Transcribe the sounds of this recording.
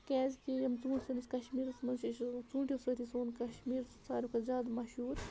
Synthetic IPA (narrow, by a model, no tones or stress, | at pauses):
kɛːzʲkijɐmt͡suːsɐnisʲkɐʃmiːɾɐsmɐnsiʃt͡sũːɳʈʲisɐt̪ʰisoːnkɐʃmiːɾt͡saːɾʲikʰɐzʲaːd̪mɐʃuːɾ